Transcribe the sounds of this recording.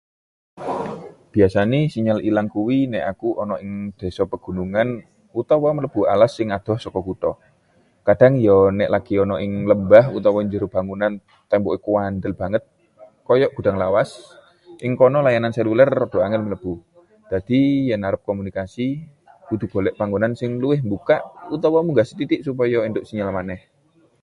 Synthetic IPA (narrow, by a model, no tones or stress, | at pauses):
b̥iasanisiɲalilaŋkuwinɛʔakuʔɔnɔʔɪŋd̪̥e̤sɔpəɡ̥ṳnuŋan | ut̪ɔwɔmələb̥ua̰lasɪŋad̪̥ɔ̤hsɔkɔkut̪ɔ | kad̥a̤ŋjɔnɛʔlaɡ̥iɔnɔʔɪŋləmbahut̪ɔwɔɲd͡ʒəɾub̥a̤ŋunan | t̪ɛmbɔikuwand̪əlb̥a̤ŋət̪̚ | kɔjɔʔɡ̥ṳdaŋlawas | ʔɪŋkɔnɔlajanansɛlulərːɔd̥oaŋɪlmələb̥u | d̥ad̥ijanaɾəp̚kɔmunikasi | dud̪ṳb̥olɛʔpaŋɡunansɪŋluɪhmbukaʔut̪awamuŋɡasit̪it̪ɪʔsup̬ajɔind̪ʊʔsiɲalamanɛh